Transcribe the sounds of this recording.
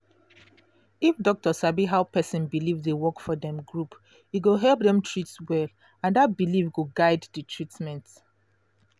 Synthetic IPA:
ifdɔk̚təsabiɦaʊpʰɛsĩnbilivdewɔkfɔdɛ̃mɡɹup | iɡoɦɛlˠp̚dɛ̃mtʰɹitswɛl | ãndat̚bilifɡuɡaɪddətʰɹitmɛ̃nt

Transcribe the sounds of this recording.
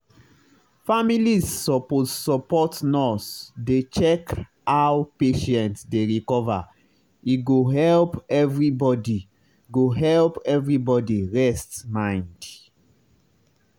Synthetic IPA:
familisːɔposɔpɔtnɔsdet͡ʃɛk | awpeʃɛ̃ntsdeɹikɔva̰ | iɡoɦɛlpɛvɹibɔdi | ɡoɦɛlpɛvɹibɔdiɹɛstmãɪ̃nd

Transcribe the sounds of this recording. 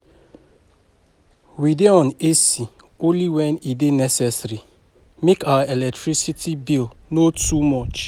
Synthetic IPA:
wideɔ̃nesi | õnliwɛ̃nidenɛsɛsɾi | mekawaelɛk̚tɹisitibilnotumɔt͡ʃ

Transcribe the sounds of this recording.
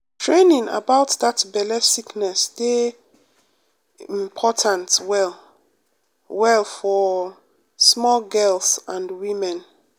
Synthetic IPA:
tʰɹẽnĩŋa̰baʊtðatbɛlɛsiknɛsde | ĩmpʰɔtʰãntwɛl | wɛlˠfɔ | smɔlɡɛlsãnwĩmɛ̃n

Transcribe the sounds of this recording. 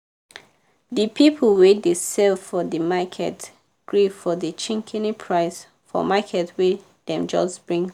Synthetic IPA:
ðəpʰipʰəlwedəsɛlfɔðəmakʰɛ̰t | ɡ̥ɹifɔðət͡ʃĩŋkʰɛnipʰɹaɪs | fɔ̰makʰɛtwi | ðɛ̃md͡ʒʌ̰sb̥ɹĩŋ

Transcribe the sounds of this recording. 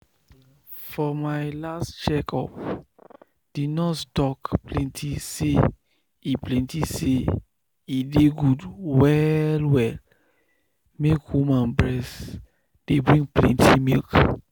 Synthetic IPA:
fɔmaɪlastt͡ʃɛkɔ̰p | d̥idnɔtstɔkplɛ̃ntʰise | iplɛ̃ntise | ideɡudwɛlwɛl | mekwumãnbɹɛs | d̥ebɹĩŋplɛ̰̃ntʰimilk

